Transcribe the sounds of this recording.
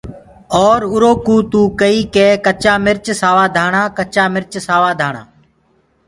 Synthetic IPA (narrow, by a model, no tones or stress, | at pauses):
ɔːɾʊɾoːkuːt̪uːkəiːkeːkət͡ʃaːmɪɾt͡ʃsaːʋaːd̪ʱaːɳãːkət͡ʃaːmɪɾt͡ʃsaːʋaːd̪ʱaːɳã̰ː